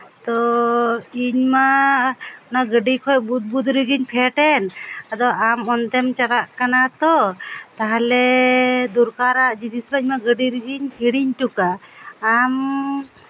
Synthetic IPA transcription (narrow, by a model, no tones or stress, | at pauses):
t̪ɔ | iɲma | naɡəɖikʰɔjbud̪̚bud̪ɾiɡiɲpʰɛʈɛnad̪ɔʔamɔnt̪ɛmt͡ʃaɽaʔkanat̪ɔt̪aɦalɛd̪uɾkaɾaʔd͡ʒid̪isbaiɲmaɡəɖiɾiɡiɲkiɽiɲʈukaː | m